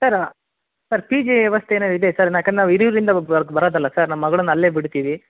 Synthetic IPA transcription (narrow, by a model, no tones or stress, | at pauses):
sɐɾ | sɐɾpiːd͡ʒiʋjɛʋɐst̪ʰeːnɐid̪esɐɾnakɐnd̪enaːʋiɾiʋɾɾind̪ɐɐɾɡbɐɾoːd̪ɐlːɐsɐɾnɐmːɐɡɐɭɐnːɐlːe̞ːbiɽt̪iːʋi